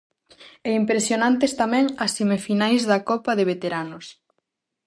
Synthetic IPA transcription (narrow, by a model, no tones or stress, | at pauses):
ɛimpɾesjonãnt̪est̪amɛ̃ŋɐsθemefinajzðɐkɔpɐðeβet̪eɾanos